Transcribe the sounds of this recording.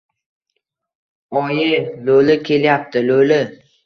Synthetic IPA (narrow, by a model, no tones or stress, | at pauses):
ɒjɪlolɪkʲʰe̞ljap̚t̪ʰɪlolɪ